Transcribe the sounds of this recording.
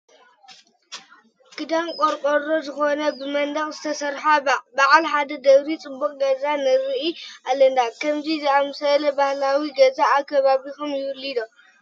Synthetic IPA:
kʰɨd̪amkʼoɾkʼoɾozɨxo̞nɐbɨmɐnd̪ɐxʼzɨt̪ʰɐsɐɾħabaʔalħad̪ɐd̪ɐɣɾit͡sʼɨbːukʼɡɐzanɨɾɨʔiʔalɐnd̪akʰɐmzizɨamsɐlɐbahlawiɡɐzaːkʰːɐβaβixomjɪwʊlid̪o

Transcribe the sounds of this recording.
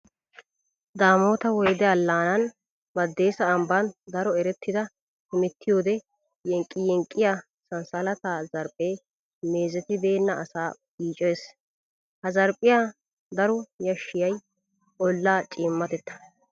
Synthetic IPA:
d̪aːmo̞ːt̪ɐwɔjd̪ɛɐlːaːnɐn | bɐd̪ːe̞ːsɐːmbɐnd̪ɐɾɔɛɾɛt̪ʰːɪd̪ɐ | hɪmɛt̪ʰːɪjo̞ːd̪ɛ | jɛŋkʼːɪjɛŋkʼːɪja | sɐnsɐlɐt̪aːzɐɾpʼːe̞ː | me̞ːzɛt̪ɪbe̞ːnːɐʔɐsaːbiːt͡ʃʼeːs | hɐzɐɾpʼːɪjaː | d̪ɐɾɔjɐʃːɪjɐj | ʔɔlːaːt͡ʃʼɪːmːɐt̪ɛt̪ːɐ̥

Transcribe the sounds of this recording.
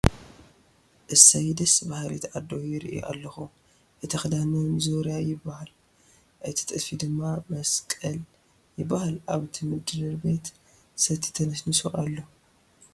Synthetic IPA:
ʔɨsɐjd̪ɐsbahɾḭt̪ʰad̪ojɪɾɨʔj̰ʔa̰lːɐxu | ʔɨt̪ʰixɨd̪anɐnzoɾjajɪbːahal | ʔɨt̪ʰi̥t̪ʼɨd̪fid̪ɨmːamɐskʼɐl | jɪbːahalʔaβɨt̪ʰimɨd̪ɨɾɨɾbe̞t̪ | sɐt̪ʰːi̥t̪ʰɐnɐsnɨsoʔalːo̞

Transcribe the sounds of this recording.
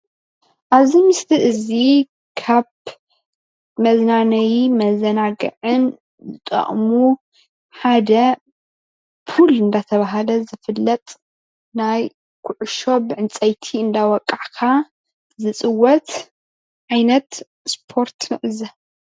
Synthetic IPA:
ʔaβzimɨst̪ʰiʔɨzi | kʰaβ | mɐznanɐjimɐzɐnaɡɨ̰ʕɨn | zɨt̪ʼɐ̰χʼmu | ħad̪ɐ | fulɨnd̪at̪ʰɐβaɦalɐzɨfɨlːɐt̪ʼ | naj | kʰʊʕʊʃo̞bɨʕɨnt͡sʼɐjt̪ʰiɨnd̪awɔkʼːaʕkʰa | zɨt͡sʼɨwɔt̪ | ʕajnɐt̪ | spʰo̞ɾt̪ʰmɨʕzɐ

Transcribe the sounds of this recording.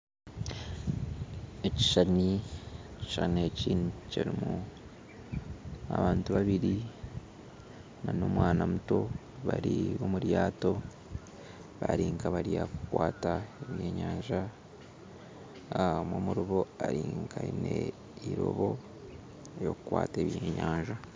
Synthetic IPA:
eci̥ʃanici̥ʃaneciːnuceɾimu | aβaːntuβaβiɾi | nano̞ːmwaːnamuto̞ | βaɾiβo̞muɾjaːto̞ | βaɾiːŋkaβaɾijakukwaːtaeβjeɲaːɲʒa | moːmuɾoβo̞aɾiŋkʰaine | iɾo̞βo̞ | jokukwaːte̞ːβjeːɲaːɲʒa

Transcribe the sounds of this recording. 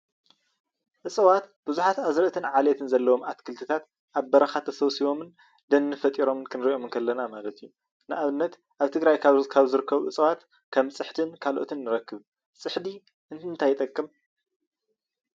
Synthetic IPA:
ʔɨsʼɐwat̪b̥ɨzuħat̪azɾɐt̪ʰɨnʕalet̪ʰɨnzɐlːɐwo̞mat̪kʰɨlt̪ʰɨt̪ʰat̪ | ʔaβbɐɾɐxat̪ʰːɐsɐwsiβomɨn | d̪ɐnːɨfɐt̪ʼiɾo̞mɨnkʰɨnɾiʔo̞mɨnkʰɐlːɐnamalɐt̪ʰijːu | nɨʔaβɨnːɐt̪ | ʔaβt̪ʰɨɡɾajkʰaβkʰaβzɨɾɨkʰːɐβuʕɨsʼɐwat̪ | kʰɐmsʼɨħt̪ʰɨnkʰalʔo̰t̪ʰɨnːɨɾɐkːɨβ | sʼɨħd̪i | ʔɨnɨnt̪ʰajɪt̪ʼɐkʼːɨm

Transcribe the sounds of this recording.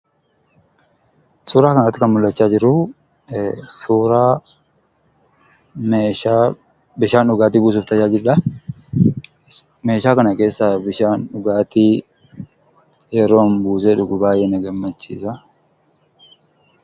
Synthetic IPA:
suːɾaːkɐnɐt̪ːɪkɐnmʊlːɐt͡ʃːaːd͡ʒɪɾʊ | suːɾaː | meːaː | bɪʃaːnʊɡaːt̪̬iːbuːs̬ʊft̪ɐt͡ʃaːd͡ʒɪɾᶑɐ | me̞ːʃaːkɐnɐke̞ːsːabɪʃaːnʊɡaːt̪i | jɛɾoːnbuːs̬eᶑʊɡʊbaːjɛnɐɡɐmːɐt͡ʃːḭːsɐ

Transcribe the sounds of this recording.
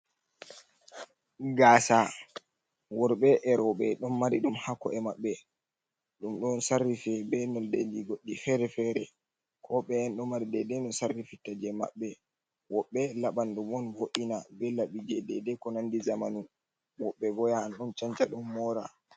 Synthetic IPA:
ɡaːsa | wɔɾɓɛʔɛɾɔɓɛɗɔnmaɾiɗumhakːɔ̰ɛmaɓːɛ | ɗumɗɔnsarːifɛbɛnɔdḛd͡ʒiɡoɗːifɛɾɛfɛɾɛ | kʰɔɓɛɛnɗɔmaɾidɛdɛnɔsarːifitːad͡ʒɛma̰ɓːɛ | wɔɓːɛlaɓanɗumɔnvoʔinabɛlaɓid͡ʒɛdɛdɛkɔnandizamanu | wɔɓːɛɡɔjaːnɗɔnt͡ʃant͡ʃaɗumːɔɾa

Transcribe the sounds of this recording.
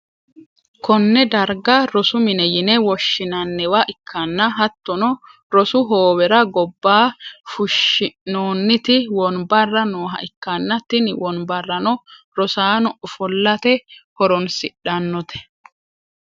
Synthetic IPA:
kɔnːɛd̪ɐɾɡɐɾɔsʊmɪnɛjɪnɛwɔʃːɪnɐnːɛwaʔɪkʰːɐnːɐɦɐt̪ːɔnɔ | ɾɔsʊɦoːbɛɾɐɡɔbːaːfʊʃɪnoːnːɪt̪ɪwɔnbɐrːɐnoːɦɐ̰ʔɪkːɐnːɐt̪ːɪnwɔnbɐrːɐnɔ | ɾɔsaːnɔʔɔfɔlːɐt̪ɛhɔɾɔnsɪɗɐnːɔt̪ʰɛ̥

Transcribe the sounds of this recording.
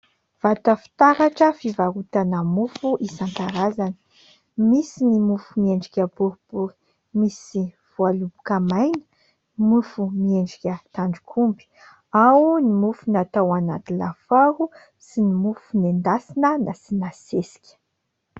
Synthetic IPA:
v̥at̪əfi̥t̪aɾaʈ͡ʂəfivaɾut̪anamufuʔisaŋkaɾazanə̥ | misinimufumieɳɖ͡ʐikʲəbuɾb̥uɾi̥ | misiv̥ualubukamajnə̥ | mufumieɳɖ͡ʐikʲət̪aɳɖ͡ʐikʰumbi̥ | awnimufunat̪awana̰t̪ila̰faɾu | sinimufunend̪asinənasinasesi̥kʲə̥

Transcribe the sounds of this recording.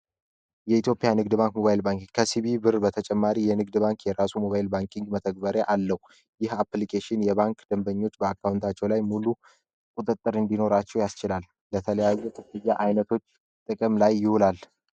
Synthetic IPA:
jɛit̪jo̞pʼijanɨɡd̪ɨbaŋkmo̞βajlbaŋkiŋkʰəsiβibɨɾbət̪ʰət͡ʃʼɛmːaɾijɛnɨɡ̚d̪baŋkjɛɾasumo̞βajɪlbaŋkʼiŋɡmət̪ʰəɡ̚bəɾeʔalːəhu | jɪhaplikʰeʃɪnjɛβaŋkd̪̥əmbəɲːo̞t͡ʃːbəakʰːawnt̪ʰat͡ʃːɛwlajmulu | kʼut̪ʼɨt̪ʼːɨɾɨnd̪ino̞ɾat͡ʃːɛwjast͡ʃɪlal | lət̪ʰələjajːuk̪ʰʼɨfɨjːaʔajnət̪ʰo̞t͡ʃː | t̪ʼɨkʼəmlajːɪhulal

